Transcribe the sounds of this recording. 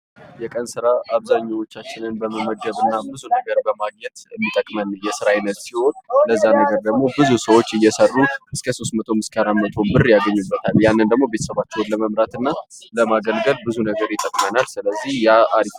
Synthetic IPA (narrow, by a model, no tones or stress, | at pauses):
jɛkʼənsɨɾaʔaβzaɲːawot͡ʃːat͡ʃːɪnɨnbəməməd͡ʒəβɨnːabɨzunəɡəɾbəmaɡ̚ɲɛt̪əmːit̪ʼəkʼmənːjɛsɨɾajɪnːət̪siho̞nləzːanəɡəɾd̪əɡmo̞bɨzusəwo̞t͡ʃːɨjːɛsərːuʔɨskʰəso̞st̪mət̪ʰo̞mɨskʰaɾamːət̪ʰo̞bɨrjaɡəɲːubːət̪ʰaljanːənd̪əɡmo̞bet̪ʰə̥səβat͡ʃːɛwnləməmɾat̪ɨnːaləmaɡəlɡəlbɨzunəɡəɾjɪt̪ʼəkʼmənalsɨləzːihjaaɾi